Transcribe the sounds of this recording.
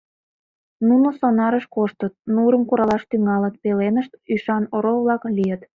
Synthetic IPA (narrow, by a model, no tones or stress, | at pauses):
nunosonɑɾəʃkoʃt̪ət̪̚nuɾəmkuɾɑlɑʃt̪yŋɑlət̪̚pelenəʃt̪yʃɑnoɾoβlɑklijət̪